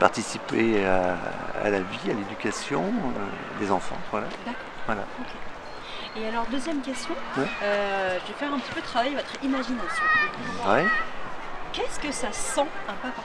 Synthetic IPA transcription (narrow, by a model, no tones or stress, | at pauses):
paʁt̪isipeaa̰lavialed̪ykʲasjɔ̃ø | d̪ezɑ̃fɑ̰̃vwalad̪akɔʁvwalaokʰʲe | ealɔʁd̪øzjɛmkʲɛst̪jɔ̃wɛøʒəvefɛʁɛ̃pət̪i̥pød̪ət̪ʰχavajvɔt̪χimaʒinasjɔ̃t̪avɛj | kʲɛskəsasɑ̃ɛ̃pap